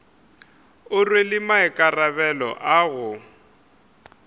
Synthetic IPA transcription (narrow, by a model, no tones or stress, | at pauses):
ʊrwelɪmaɪkʼarabɛlɔ̰ʔaɣʊ